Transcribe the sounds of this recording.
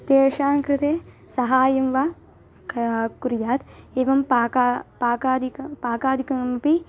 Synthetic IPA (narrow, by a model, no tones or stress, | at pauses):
t̪eːʂaːŋkɾɪt̪eː | sɐɦaːjɐmʋa | kuɾjaːt̪eːʋɐmpaːkapaːkaːd̪ʱikpaːkaːd̪ʱikɐmɐpi